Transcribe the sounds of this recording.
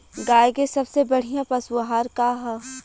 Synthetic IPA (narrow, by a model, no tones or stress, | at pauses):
ɡaːjɡesɐbsebɐɽ̤ijãpɐswɦaːɾkaːɦɛ